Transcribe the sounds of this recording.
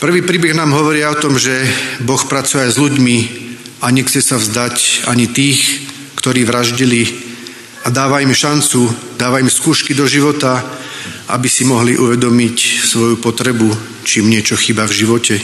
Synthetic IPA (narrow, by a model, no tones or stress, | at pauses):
pr̩ʋiːpɾiːbɛɣnaːmɦɔʋɔɾɪaɔt̪ɔmʒɛbɔxpɾat͡sujɛajzʎuɟmi | aɲɛxt͡sɛsavzd̪aca̰ɲit̪iːx | kt̪ɔɾiːʋɾaʒɟili | ad̪aːʋaimʃant͡su | d̪̥aːʋaimskuːʃkid̪ɔʒiʋɔt̪a | ʔa̰bisimɔɦliʔuʋɛd̪ɔmicsʋɔjupɔt̪ɾɛbu | t͡ʃiːmɲɪɛt͡ʃɔxibavʒiʋɔcɛ